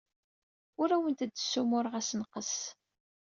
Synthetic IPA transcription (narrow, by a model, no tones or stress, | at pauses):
ʊɾæwənt̪d̪ːəsːumʊɾʁæsnqəs